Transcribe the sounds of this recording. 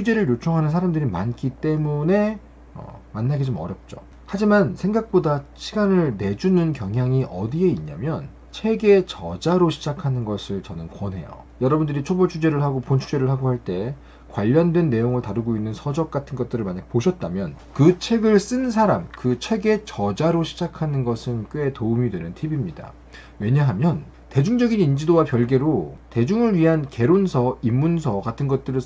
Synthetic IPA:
t͡ɕʰud͡ʑe̞ɾɯɭjot͡ɕʰoŋɦanɯnsʰaɾamdɯɾima̰nk͈it͈e̞mune̞ | ʌ̰manːaɡid͡ʑomʌ̰ɾjʌp̚t͡ɕ͈o̰ | had͡ʑimansʰe̞ŋɡak̚p͈odaɕʰiɡanɯɭne̞d͡ʑunɯnkjʌŋɦjaŋiʔʌdie̞iɲa̰mjʌn | t͡ɕʰe̞ɡe̞t͡ɕʌd͡ʑaɾoɕʰid͡ʑakʰanɯnɡʌsʰɯɭt͡ɕʌnɯnkwʌnɦe̞̰jo̰ | jʌɾʌbundɯɾit͡ɕʰobʌɭt͡ɕʰud͡ʑe̞ɾɯɭhaɡopont͡ɕʰud͡ʑe̞ɾɯɭɦaɡoɦhaɭt͈e̞ | kwaʎːʌndwenːe̞joŋɯɭtaɾɯɡoinːɯnsʰʌd͡ʑʌk̚k͈atʰɯnɡʌt̚t͈ɯɾɯɭmaɲak̚poɕʰʌt̚t͈amjʌn | kɯt͡ɕʰe̞ɡɯɭs͈ɯns̬ʰaɾamkɯt͡ɕʰe̞ɡe̞t͡ɕʌd͡ʑaɾoɕʰid͡ʑakʰanɯnɡʌsʰɯnk͈ɯetoumidwe̞nɯntʰibimɲida̰ | we̞ɲaɦamjʌn | te̞d͡ʑuŋd͡ʑʌɡinind͡ʑidowapjʌɭɡe̞ɾote̞d͡ʑuŋɯɭɥiɦanke̞ɾonsʰʌimːunsʰʌɡatʰɯnɡʌt̚t͈ɯɾɯ

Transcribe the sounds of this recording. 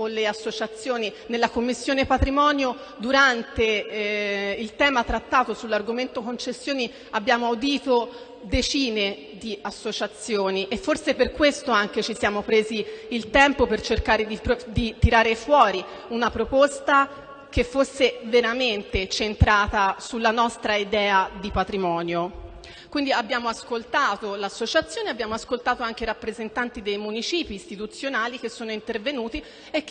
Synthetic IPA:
olːeasːot͡ʃat̪sːjoːninelːakomːisːjoːnepat̪ɾimɔːnjo | d̪uɾant̪e | ilt̪ɛːmat̪ɾat̪ːaːt̪osulːarɡoment̪okont͡ʃesːjoːni | abːjaːmoaud̪iːt̪o | d̪et͡ʃiːne | d̪iasːot͡ʃat̪sːjoːniʔefːorseperkwest̪oaŋket͡ʃisjaːmopɾeːziːlt̪ɛmpopert͡ʃerkaːɾed̪ipd̪it̪iɾaːɾefwɔːɾi | unapɾopost̪a | kefːosːeveɾament̪et͡ʃent̪ɾaːt̪asulːanɔst̪ɾaid̪ɛːad̪ipat̪ɾimɔːnjo | kwind̪iabːjaːmoaskolt̪aːt̪olasːot͡ʃat̪sːjoːneabːjaːmoaskolt̪aːt̪oaŋkeiɾapːɾezent̪ant̪id̪ejmunit͡ʃiːpiːst̪it̪ut̪sːjonaːlik̟esːoːnoint̪ervenuːt̪i | ek

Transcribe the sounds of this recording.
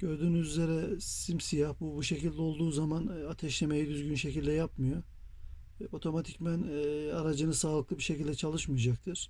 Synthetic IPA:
ɟ̥øɾd̪yːnyzyzʲe̞ɾɛsimsijahbubuʃe̞cilʲd̪ɛo̞lˠd̪uːzamanat̪ʰɛʃleme̞jid̪yzɟynʃe̞cilʲd̪ɛjap̚mɯjo̞ | o̞t̪ʰo̞mat̪ʰicmænaɾad͡ʒɯnɯsaːlˠɯklˠɯbiʃe̞cilʲd̪ɛt͡ʃʰalˠɯʃmɯijad͡ʒak̚t̪ʰɯɾ̥

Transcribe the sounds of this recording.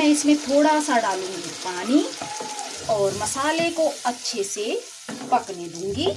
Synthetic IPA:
ɛ̃ɪsmẽt̪ʰoːɽasaɖaːlũːɡipaːni | ɔːɾmɐsaːlekoɐtːʃʰese | pɐkned̪ũːŋɡi

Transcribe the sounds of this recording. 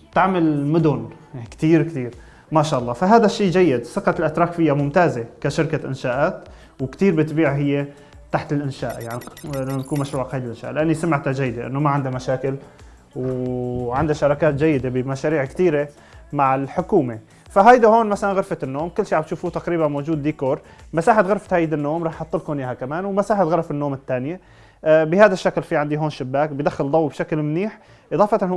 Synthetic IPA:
t̪aʕmalmʊd̪ʊn | kt̪iːɾkt̪iːɾ | maʃaːʔɑlˤːɑːfaɦaːd̪aʃːiːd͡ʒajːɪd̪sɪqɑt̪lʔat̪ɾˤɑːkfɪjːamʊmt̪aːzekaʃɪɾkaʔɪ̰nʃaːʔaːt̪ | wɪkt̪iːɾbɪt̪biːʕɦɪjːe | t̪aħt̪ɪlʔɪnʃaːʔjaʕnilanːakuːnmaʃɾuːʕakhajd̪ɪlʔɪnʃa̰ːʔlɪʔanːisamɪʕt̪ad͡ʒajːɪd̪eʔɪ̰nːomaʕɪnd̪amaʃaːkɪl | wʕand̪aʃɑɾˤɑːkaːt̪̚d͡ʒajːɪd̪ebɪmaʃaːɾiːʕkt̪iːɾe | maʕɪlħʊkuːme | faɦajd̪ahoːnmasalanɣɪɾfat̪ɪnːoːmkɪlːʃiːʕaʕbt̪ʃuːfut̪aqɾiːbanmoːd͡ʒuːd̪ːiːkoːɾˤ | masaːħɪt̪ɣɑɾˤfḁt̪hajd̪anːoːmɾˤɑːħʔɑt̪ˤːɨlkhoːnjihakamaːnwmasaːħɪt̪ɣɑɾˤɑfɪnːoːmɪt̪ːaːnɪje | bɪhaːd̪aʃːaklfiʕand̪iɦoːnʃɪbːaːkbɪjd̪axːɪld̪ˤɑwːibʃaklmniːħ | ʔɨðˤɑːfɑt̪n

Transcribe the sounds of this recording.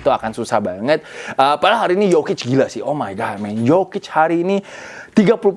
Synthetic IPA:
t̪uakansusa̰hbaŋət̪̚əːpalaɦaɾiːnijokɪt͡ʃɡilasɪhʔomajɡat̚mɛnjokɪt͡ʃhaɾiːnit̪iɡapulu

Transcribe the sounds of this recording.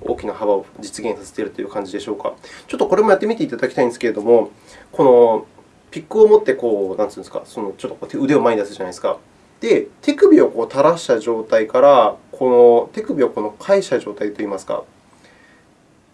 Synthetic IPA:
oːkʲinaɦaβaod͡ʑit͡sɨɡẽ̞ɰ̃saset̪e̞ɾɯ̟t̪o̞jɯ̟ːkãɲ̟d͡ʑid̪e̞ɕo̞ːka̰t͡ɕo̞t̪ːo̞ko̞ɾe̞mojat̪ːe̞mʲit̪e̞it̪ad̪akʲi̥t̪aĩnd̪esɨ̥keɾe̞d̪o̞mo̞ | ko̞no̞ | pʲikːɯ̟o̞mot̪ːe̞ko̞ːnãnt͡sɨ̃ːn̥ska̰so̞no̞t͡ɕo̞t̪ːokoːt̪eɯ̟d̪e̞omaiid̪asɨʑanai̥sɨ̥ka̰ | d̪̥e̞t̪e̞kɯ̟bʲio̞ko̞ːt̪aɾaɕi̥t̪aʑo̞ːt̪aikaɾakʰo̞no̞t̪e̞kɯ̟bʲioko̞no̞kʰaiɕi̥t̪aʑo̞ːt̪ait̪ːo̞iːmasɨ̥ka̰

